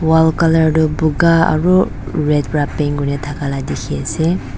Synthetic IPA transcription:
walkalaɹdubuɡaa̰ɾu | ɹed̚pɾapeŋɡunatʰakaladikʰiase

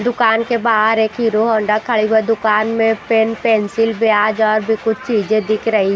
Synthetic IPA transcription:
d̪ʊkaːnkebaːɦəɾeːkɦiɾoɦɔːɳɖakʰɐɭibəd̪ʊkaːnmẽpenpɛːnsɪlbjaːd͡ʒɔːɾbʱikʊt͡ʃʰt͡ʃiːd͡ʒẽd̪ɪkʰɾɐɦi

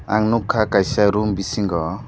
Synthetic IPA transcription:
a̰ŋnukʰːakajsaɾumbisiŋɡɔ

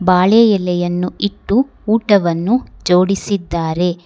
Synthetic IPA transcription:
baːɭɛjɛlɛjɐnːuiʈːuː | ʈɐʋɐnːud͡ʒoːɽisid̪ːaːɾe̞

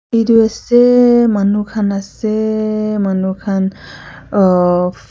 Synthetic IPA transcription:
iduasɛmanukʰanasɛmanukʰan

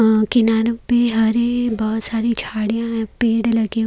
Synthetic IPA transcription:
kɪnaːɾõpeɦɐɾebɔːt̪saːɾit͡ʃʰaːɽijãɦɛ̃peːɽlɐɡe

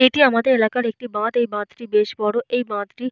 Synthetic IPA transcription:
eːʈiɐmat̪eɪlaːkɐɾeːk̚ʈibãːt̪eibãːt̪ɾibeːʃbɔːɽoʔeibãːt̪ɾi

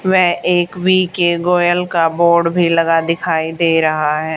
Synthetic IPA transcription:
ʋɛɦeːkʋiːkeɡoːjəlkaboːɾɖbʱilɐɡad̪ɪkʰaːid̪eːɾɐɦaɦɛː

